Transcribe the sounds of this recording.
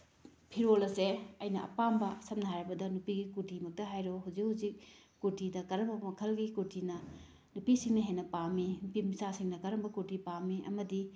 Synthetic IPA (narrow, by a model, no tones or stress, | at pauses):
pʰiɾolɐseɐjnɐʔɐ̰pambɐsɐmnɐɦajɾɐbɐdɐnupiɡikuɾtimɐk̚tɐɦajɾoɦuzik̚huzikː | uɾtidɐkɐɾɐbɐmɐkʰɐlɡikuɾtʰinɐ | nupisiŋnɐɦenɐpaminupimisasiŋnɐkɐɾɐmbɐkuɾtipamiʔɐ̰mɐdi